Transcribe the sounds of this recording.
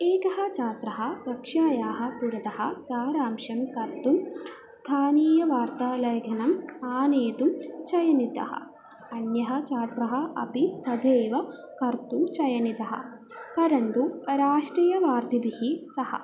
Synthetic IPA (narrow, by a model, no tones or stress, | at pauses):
eːkɐɦɐ̆t͡ʃaːt̪ɾɐɦɐɡɐkʂaːjaːɦɐ̆puɾɐt̪ɐhɐ̰̆saːɾaːmʃɐmkɐɾt̪umst̪ʰaːniːjɐʋaːɾt̪aːlɐjɐɡʱɐnɐmaːneːt̪umt͡ʃɐjɐnit̪ɐ̰hɐ̰ | ɐnjɐɦɐ̆t͡ʃaːt̪ɾɐɦɐ̆ɐ̰pit̪ɐd̪ʱeːʋɐ | kɐɾt̪umt͡ʃɐjɐnit̪ɐɦɐ̰ | pɐɾɐnt̪uɾaːʂʈɾɐjɐʋaːɾd̪ʱibihisɐhɐ̰